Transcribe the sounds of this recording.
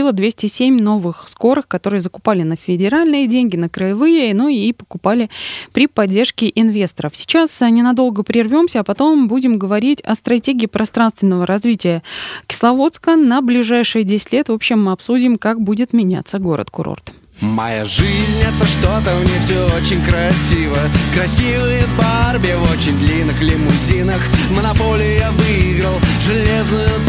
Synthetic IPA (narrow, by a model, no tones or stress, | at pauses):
ilˠəd̪vʲesʲtʲɪsʲemʲno̞vɨxsko̞ɾɨxkɐt̪o̞ɾɨjəzəkʊ̥palʲɪnəfʲɪdʲɪɾalʲnɨjədʲenʲɡʲɪnəkɾəjɪvɨjənuijejpə̥kʊpalʲɪpɾʲɪpɐdʲːe̞rʂkʲɪʔɪnvʲe̞st̪əɾəfsʲɪ̥t͡ɕasnʲɪnɐd̪o̞lˠɡəpɾʲɪrvʲo̞msʲəːpɐt̪o̞mbudʲɪmɡəvɐɾʲitʲɐ̰st̪ɾɐtʲeɡʲɪːpɾʔɐst̪ɾanst̪vʲɪnːəvəɾɐzvʲitʲɪjəkʲɪ̥slˠɐvo̞t̪skənəblʲɪʐajʂɨjədʲesʲɪ̥tʲlʲet̪vo̞pɕːɪmːɨɐpsudʲɪmkakbudʲɪt̪mʲɪnʲa̰t̪sːəɡo̞ɾə̰t̪kʊɾo̰rt̪ | mɐja̰ʐɨzʲnʲɛt̪əʂt̪o̞t̪əmnʲefsʲoot͡ɕɪnʲkɾɐsʲivəəkɾɐsʲivɨjəbarbʲɪjəvot͡ɕɪnʲd̪lʲinːɨxlʲɪmʊzʲinəxmənɐpo̞lʲɪjʊjavɨɪɡɾəlˠʐɨlʲeznʊjʊ